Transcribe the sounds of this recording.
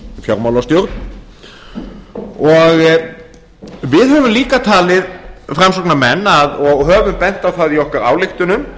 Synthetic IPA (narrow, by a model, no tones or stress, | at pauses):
fjawɾmawlawst̪jowɾt̪̚n | ɔɣ | vɪðɦœvʏmliːkat̪ʰaːlɪðfɾamsɔknamɛnːaðɔɣɦœːvʏmpɛn̥t̪awθaðiɔhkaɾa̰ːwlɪxt̪ʏnʏm